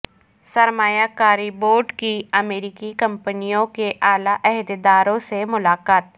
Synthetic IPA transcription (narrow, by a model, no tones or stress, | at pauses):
sɐɾmaːjakaːɾiboːɾɖkiɐmeːɾɪkikɐ̃mpənijõkeʔaːlaʔɛɦd̪d̪aːɾõsemʊlaːkaːt̪̚